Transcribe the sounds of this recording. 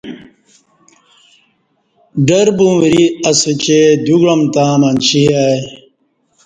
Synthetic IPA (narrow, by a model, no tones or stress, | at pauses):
ɖɐɾbũɾiɐset͡ɕed̪uɡɻɐmt̪ãːmɐnt͡ɕiɦaj